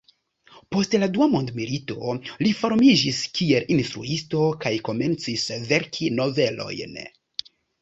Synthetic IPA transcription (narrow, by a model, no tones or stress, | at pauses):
po̞stladuamo̞ndmilito̞lifo̞ɾmid͡ʒiskie̞lʔinstɾuisto̞kajko̞me̞nt͡sisve̞ɾkʰino̞ve̞lo̞̰jn